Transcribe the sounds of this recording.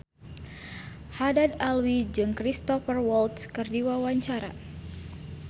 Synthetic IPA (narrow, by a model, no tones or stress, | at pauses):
hadadalwid͡ʒɨŋkɾist̪ɔfərwɔlt̪skɨrdiwawaɲt͡ʃaɾa̰